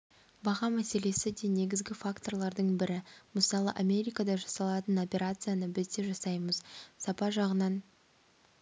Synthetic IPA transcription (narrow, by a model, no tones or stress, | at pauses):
bɑʁɑmæse̞le̞sɪd̪e̞ne̞ɡʲɪzɡʲɪfakt̪o̞rlˠɑɾd̪əɴbɪɾɪməsɑlˠə̰ʔamʲe̞ɾʲijkad̪ɑʒɑsɑlˠɑt̪əno̞pʲe̞ɾat̪sɨjanəbɪzd̪e̞ʒɑsɑjməzsɑpɑʒɑʁənɑn